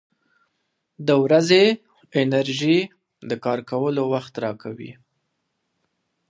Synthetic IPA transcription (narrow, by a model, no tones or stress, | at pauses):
d̪əwɾaze | ɪnaɾʒi | d̪əkɑɾkawəlowaxt̪ɾɑkʰawḭ